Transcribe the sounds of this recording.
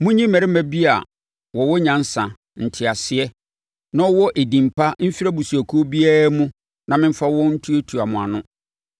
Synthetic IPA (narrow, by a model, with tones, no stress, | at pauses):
mʊ̃˦ɲĩ˦mæ˨ɾɪ˦mæ̃˨bi˦a̰˨ | wɔ˨wɔ˦ɲã˨n̩˦sã˨ | n̩˨tʰɪ˨a˨sɪ˨˦ɛ˦ | nã˦ɔ˦wɔ˦ʔe˨dĩ˨mpʰa˦m̩˦fi˦ɾa˦bu˨su˨æ˨kʰu˦o˦bi˦a˦ɾmʊ̃˦ | nã˨mɪ̃˦m̩˦fa˦wɔ̃˦n̩˦tʰu˦e˦tʰu˨a˨mʊ̃˨a˨nʊ̃˦